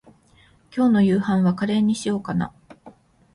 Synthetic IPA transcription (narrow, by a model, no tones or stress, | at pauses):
kʲo̞ːno̞jɯ̟ːhãɰ̃βakaɾe̞ːɲ̟ːiɕijo̞ːkana̰